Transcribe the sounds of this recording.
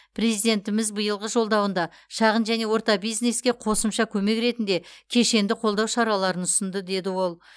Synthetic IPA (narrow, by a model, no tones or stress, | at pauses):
pʰre̞zijd̪e̞nt̪ɪmɪzbəjəlˠʁəʒo̞lˠd̪ɑwənd̪ɑ | ʃɑʁənʒæne̞wo̞ɾt̪ɑbijzne̞skʲe̞qʰo̞səmʃɑkʲʰɵme̞kɾe̞t̪ɪnd̪e̞kʲʰe̞ʃe̞nd̪ɪqʰo̞lˠd̪ɑwʃɑɾɑlˠɑɾənʊsənd̪əd̪e̞d̪ɪwo̞lˠ